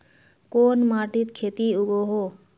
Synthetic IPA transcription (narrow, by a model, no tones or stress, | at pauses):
koːnmaːʈit̪kʰeːt̪iuɡoɦo